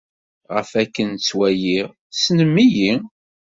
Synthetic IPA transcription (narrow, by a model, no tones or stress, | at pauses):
ʁə̰fækːənt͡sːwæjiʁ | snəmːiji